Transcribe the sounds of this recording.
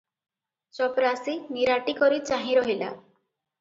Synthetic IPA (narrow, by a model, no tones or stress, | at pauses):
t͡ʃɔpɾasiniɾaʈikɔɾit͡ʃaɦĩɾɔɦila̰